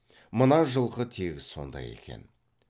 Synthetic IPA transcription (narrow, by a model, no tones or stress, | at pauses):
mənɑʒəlˠʁət̪ʰeɡʲɪzso̞̰nd̪ɑ̰je̞̰kʲe̞̰n